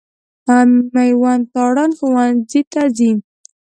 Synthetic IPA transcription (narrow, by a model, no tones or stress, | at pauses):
ammajwant̪ɑɽɑnxowanzit̪azin